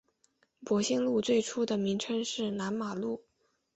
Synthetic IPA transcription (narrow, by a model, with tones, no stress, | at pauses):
pwɔ˧˥ɕi˥ŋlu˥˧t͡swe˥˩ɪʈ͡ʂʰu˥d̪ə˨mi˧˥ŋʈ͡ʂʰɤ˥ŋʂɻ̩˥˩na˧˥nma˨˩lu˥˩